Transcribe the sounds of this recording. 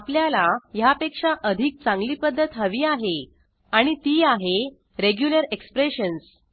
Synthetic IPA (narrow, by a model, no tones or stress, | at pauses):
apljalajapekʂaʔəd̪ʱiːk̚t͡sãŋɡliːpəd̪ʱːət̪ɦəʋiːaɦe | aɽ̃it̪iːaɦe | ɾeɡjuləɾekspɾeɕəns